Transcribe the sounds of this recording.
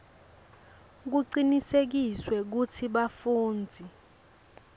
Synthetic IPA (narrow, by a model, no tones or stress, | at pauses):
k̬uǀinisek̬iswɛk̬utʰiɓafuːnd͡zʱi